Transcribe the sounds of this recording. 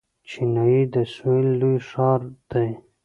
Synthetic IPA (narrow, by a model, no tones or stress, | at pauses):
t͡ʃʰinɑid̪əsuilːujʂɑɾd̪̥aj